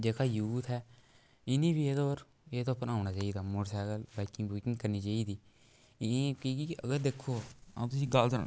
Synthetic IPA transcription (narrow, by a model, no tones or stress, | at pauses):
d͡ʒeːkaːjuːt̪ʰɦɛː | ɪniːbʱiːeːd̪oːɾ | eːt̪oːpənaːʊnaːt͡ʃaːiːd̪aːmoɾsaːɡəlbaːkɪ̃ŋɡbuːkɪ̃ŋɡkəɾniːt͡ʃaːiːd̪iː | kiːkiəɡəɾd̪eːkʰːoːã̰t̪ʊsĩːɡəld̪əɾ̰